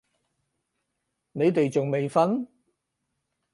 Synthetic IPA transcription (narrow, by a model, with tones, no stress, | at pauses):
ne˨˧jt̪e˨jt͡sʊ˨ŋme˨jfɐ˥n